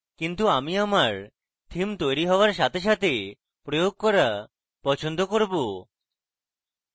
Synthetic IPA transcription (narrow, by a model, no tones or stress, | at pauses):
kint̪uamiamaɾ | t̪ʰimt̪ojɾiɦɔoaɾʃat̪ʰeʃ̬at̪ʰe | pɾojoɡ̚kɔɾa | pɔt͡ɕʰond̪okoɾbo